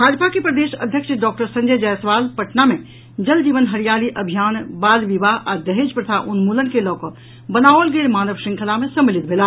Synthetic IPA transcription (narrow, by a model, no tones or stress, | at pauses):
bʱad͡ʒpʰakepɾəd̪eʃə̰d̪ʱjəkʃɖɔːk̚ʈəɾsə̃nd͡ʒəd͡ʒɛjsʋalpəʈnamẽ | d͡ʒəld͡ʒiʋənɦəɾijaliʔəbʱijaːnbaːlʋibaɦad̪əɦed͡ʒpɾət̪ʰaʔunmulənkelɔːkɔ | bənaolɡelmaːnəʋʃĩŋkʰəlamesəmːilit̪̚bʱela